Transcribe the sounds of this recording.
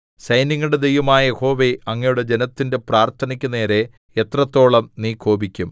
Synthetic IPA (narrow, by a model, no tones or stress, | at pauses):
sɐjniŋːuɽed̪ejʋɐmaːjɐjeho̞ːʋe̞ɐŋːɐjuɽed͡ʑe̞nɐt̪ːinde̞praːrt̪ʰɐnɐkʲːune̞ːɾe̞ | et̪rɐt̪ːo̞ːɭɐmniːkʰo̞ːbikʲːum